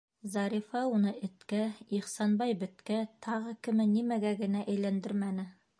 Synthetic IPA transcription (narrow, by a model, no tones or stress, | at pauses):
zɑɾifɑunɤɘ̆t̪kæiχsɑnbɑjbɘ̆t̪kæt̪ʰɑʁɤkɘ̆mɘnimæɡæɡɘ̆næʔæjlænd̪ɘɾmænɘ